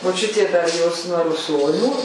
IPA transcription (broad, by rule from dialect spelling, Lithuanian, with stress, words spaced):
moːˈt͡ʃʲʊtʲeː dɐr ˈjoːs nuɔ rʊˈsoːnʲuː